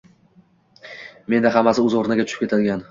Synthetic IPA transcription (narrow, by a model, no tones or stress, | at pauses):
me̞nd̪aɦamːasɪɵzoɾnaɡʲat̪ʊʃɪ̥pkʰʲe̞t̪ʰalɡʲan